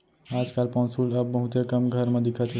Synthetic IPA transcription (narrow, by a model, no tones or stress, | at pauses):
ad͡ʒkalpɔ̃nsuləbːəɦut̪jekəmɡʱəɾmẽd̪ikʰət̪ʰ